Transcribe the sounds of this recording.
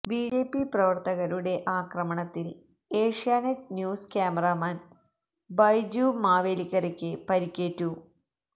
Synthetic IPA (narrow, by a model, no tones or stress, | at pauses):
biːd͡ʑeːpːiprɐʋɐrt̪ɐɣɐɾuɽe̞ʔaːkrɐmɐɳɐt̪ːil | e̞ːʂjaːnɐtnjuːskʲaːmɐraːmaːn | bɐjd͡ʑumaːʋeːlikːɐrekʲːɨpɐɾikʲːe̞ːtːu